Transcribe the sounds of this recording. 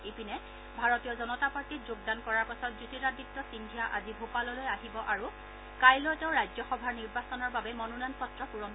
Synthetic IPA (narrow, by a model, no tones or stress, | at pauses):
epinɛ | bʱaɹɔtijɔzɔnɔtapaɹtitzoɡ̚dankɔɹaɹpasɔt̚zutitaditːɔsindʱijaʔazibʱupalɔlojaɦibɔʔaɹu | kajlɔjtɛʊɹajzɔxɔbʱaɹniɹbasɔnɔɹbabɛmɔnunanpɔtːɹɔpuɹɔm